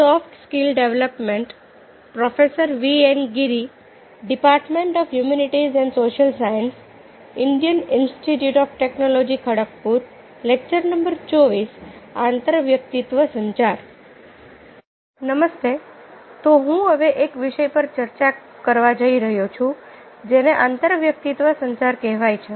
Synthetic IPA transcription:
sɔfʈʰskilɖeʋləpmẽɳʈ | pɾɔfesəɾʋienɡiɾi | ɖipaɾʈmẽɳʈɔfjumuniʈizɛ̃ɳɖsoːʃəlsajəns | iɳɖijəninsʈiʈjuːʈɔːfʈeknolod͡ʑikʰəɽək̚puːɾ | lek̚t͡ʃəɾnəmbəɾt͡ʃoʋisant̪əɾʋjək̚t̪it̪ʋəsəɲt͡ʃaɾ | nəməst̪e | t̪oɦũɦəʋeʔekʋɪʃəjpəɾt͡ʃəɾt͡ʃa | kəɾʋad͡ʒəiɾəɦjot͡ʃʰũd͡ʒeneʔãnt̪əɾʋjək̚t̪it̪ʋəsə̃ɲt͡ʃaɾkɛɦʋajt͡ʃʰe

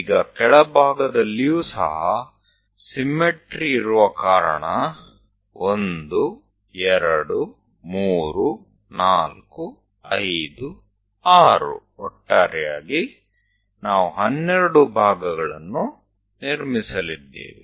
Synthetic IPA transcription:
ɡɐkɛɭɐbʱaːɡɐd̪ɐlːijuːsɐ̰ɦɐ | simːeʈɾiːɾuʋɐkaːɾɐ̰ɳɐ | ond̪u | ɛɾɐɽu | muːɾu | naːlku | ɐjd̪u | aːɾṵɔʈːaːɾɛjaːɡi | naːʋuɦɐnːeɾɐɽubʱaːɡɐɡɐɭɐnːu | niɾmisɐlid̪ːḛːʋḭ

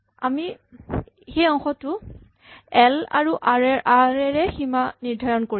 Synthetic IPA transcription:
ami | xejɔŋxɔtʊ | ɛla̰ɹuʔaɹɛɹʔaɹɛɹɛximaniɹdʱajɔnkoɹi

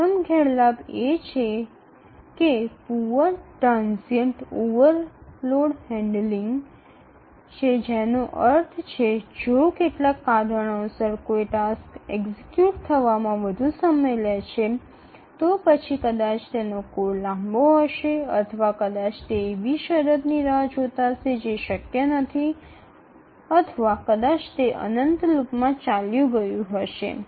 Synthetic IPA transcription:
əmɡʱɛɽlabet͡ʃʰe | kepuʋəʈɾãnsiəɳʈoʋəɾloɽɦɛ̃ɳɖliŋɡ | t͡ʃʰed͡ʒenoʔəɾt̪ʰt͡ʃʰed͡ʒokeʈlakːad̪ʱəɽ̃õsəɾkoiʈaskeɡzikjuʈt̪ʰəʋamãʋəd̪ʱusəməjlet͡ʃʰe | t̪opət͡ʃʰikəd̪at͡ʃt̪enokoɾlãmboɦəʃeə̰t̪ʰəʋakəd̪at͡ʃt̪eeʋiʃəɾəd̪niɾad͡ʒot̪ased͡ʒeʃəkjənət̪ʰi | ət̪ʰəʋakəd̪at͡ʃt̪eʔə̰nənt̪lupmãt͡ʃaljũɡəjũɦəʃḛ

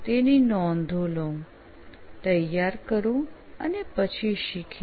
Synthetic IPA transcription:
t̪eninɔnd̪ʱolõ | t̪əjːaɾkəɾũ | ə̰nepət͡ɕʰiɕikʰ

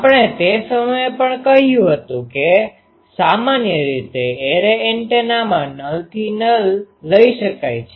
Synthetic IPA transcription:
apɳ̃et̪esəməjepəɳkəɦjũɦət̪ũke | samanjəɾit̪eeɾeeɳʈenamãnəlt̪ʰinəlːəiʃəkajt͡ʃʰe

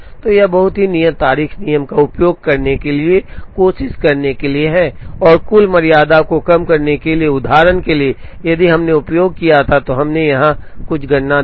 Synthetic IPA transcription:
t̪ojɐbɐɦʊt̪ɦinijəmt̪aːɾiːxnijəmkaʊpjoːɡ̚kɐɾnekeliekoːʃɪʃkɐɾnekelieɦɛːɔːɾkʊlmɐɾijaːd̪akokɐmkɐɾnekelieʊd̪ʱaːɾənkelie | jɐd̪iɦɐmneʊpjoːɡ̚kijat̪ʰat̪oɦɐmnejɐɦãkʊt͡ʃʰɡʱɐɽna

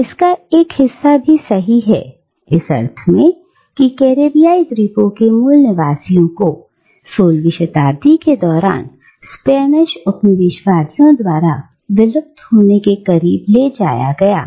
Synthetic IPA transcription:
ɪskaeːkhɪsːabʱisɐɦiɦɛ̰ | ɪsɐ̰ɾt̪ʰəmẽ | kikɛːɾeːbijaːid̪ɾiːpõkemʊlnəʋaːsijõko | soːlʋɪʃət̪aːɾd̪iked̪ɔːɾa̰ːn | spɛːnɪʃʊt̪nəʋɪʃwaːsijõd̪waːɾa | ʋɪləb̚t̪ɦoːnekekɐɾiːbled͡ʒa̰ːja̰ɡɐja̰ː

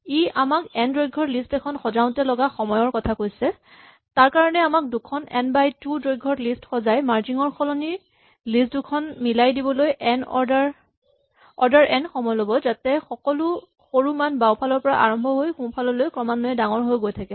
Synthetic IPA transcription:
iʔamakɛndɹojɡʱɔɹlistɛkʰɔnxɔzaʊ̃tɛlɔɡaxɔmɔjɔɹkɔtʰakojsɛ | taɹkaɹɔnɛamak̚dukʰɔnɛ̰nbajtudɹojɡʱːɔɹlistxɔzajmaɹziŋɔɹxʰɔlɔni | listdukʰɔnmilajdibɔlojʔɛnɔaɹ | ɔɹdaɹʔɛnxɔmɔjlobɔzatɛxɔkɔlu | xoɹumanbawpʰalɔɹpɔɹa̰ʔa̰ɹɔmbʱɔɦojxũpʰalɔlojkɹɔmanɔjɛdaŋɔɹɦojɡojtʰakɛ

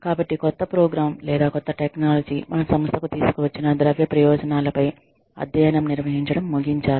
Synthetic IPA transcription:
kaːbɐʈːikɔt̪ːɐpɾɔːɡɾaːmlɛːd̪aːkɔt̪ːɐʈeknaːlɐd͡ʒiːmɐnɐsɐmɐst̪ʰɐkut̪iːsu̥kuʋɐt͡ʃːinɐd̪ɾɐʋjɐpɾɐjɔːd͡ʒɐnaːlɐpɐj | ɐ̰d̪jɐjɐnɐmniɾʋɐɦiɲt͡ʃɐɽɐmːuɡiɲt͡ʃaːli

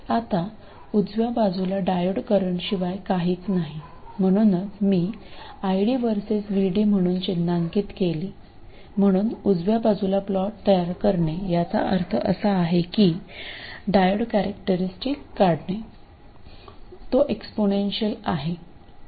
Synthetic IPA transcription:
at̪a | ud͡zʋjabad͡zulaɖajəɽkəɾəɳɕiʋajkaɦiːt͡snaɦi | m̤əɽ̃uːnət͡smiːajɽiːʋəɾsesʋiɽiːm̤əɽ̃uːnt͡ɕinːaŋkiːt̪keliː | m̤əɽ̃uːnud͡zʋjabad͡zulaplɔʈt̪əjaɾkəɾɳejat͡sa̰ʔə̰ɾt̪ʰəʔəsaːɦekiː | ɖajəɽkæɾəkʈəɾisʈikːaɽɳe | t̪oʔeksponenɕəlaɦe

